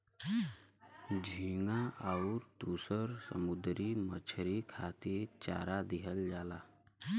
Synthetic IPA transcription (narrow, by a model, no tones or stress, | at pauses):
d͡ʑʱiŋaʔauɾt̪usəɾsə̰mud̪ɾiːmət͡ɕʰɾikʰat̪it͡ɕa̰ɾad̪iɦəld͡ʑala